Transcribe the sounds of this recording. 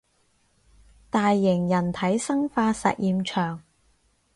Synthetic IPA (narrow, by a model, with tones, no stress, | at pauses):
t̪aː˨˧jːɪ˨˩ŋjɐ˨˩nt̪ʰɐ˨˥jsɐ˥ŋfaː˧sɐ̰˨t̚jiː˧mt͡ʃʰœː˨˩ŋ